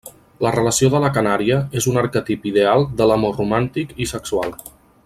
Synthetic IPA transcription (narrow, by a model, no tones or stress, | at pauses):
lərələsioðələkənaɾiəezunəɾkət̪ipiðealˠd̪ələmorumant̪ikisəksualˠ